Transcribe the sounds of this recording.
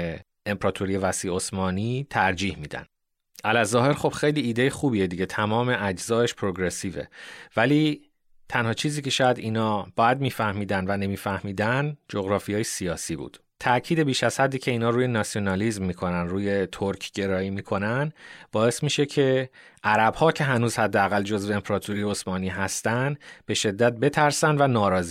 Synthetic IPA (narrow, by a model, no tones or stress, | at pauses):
e | empʰɾɒːt̪ʰoɾijevæsiːosmɒːniːt̪ʰæɾd͡ʒiːhmiːd̪æ̰n | ʔælæzɒːhe̞ɾxo̞b̥xejliːd̪ejexuːbije̞d̪iɟe̞t̪ʰæmɒːme̞ʔæd͡ʒzɒːeʃpʰɾo̞ɡɾe̞siːvḛvæliː | t̪ʰænhɒːt͡ʃʰiːziːcʰe̞ʃɒːjæd̪iːnɒːbɒːjæd̪miːfæhmiːd̪ænvæne̞miːfæhmiːd̪ænd͡ʒo̞ɣɾɒːfijɒːjesijɒːsiːbṵːd̪̥ | t̪ʰæcʰiːd̪e̞biːʃæz̥hæd̪ːiːcʰe̞iːnɒːɾuːje̞nɒsijo̞nɒlizmːiːkʰo̞nænd̪ɾuːje̞t̪ʰoɾkʰɟe̞ɾɒːiːmiːkʰo̞nænd̪b̥ɒːe̞smiːʃe̞cʰe̞ | ʔæɾæbhɒːcʰe̞ɦænuːzhæd̪ːeæɣæld͡ʒo̞zveempʰɾɒːt̪ʰoɾijeosmɒːniːɦæst̪ænd̪b̥e̞ʃe̞d̪ːæt̪̚be̞t̪ʰæɾsænd̪vænɒːɾɒːzi